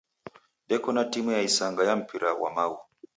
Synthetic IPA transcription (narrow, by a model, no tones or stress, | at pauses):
ɗɛkɔnatimujaisaŋɡajam̩pʰiɾawa̰mau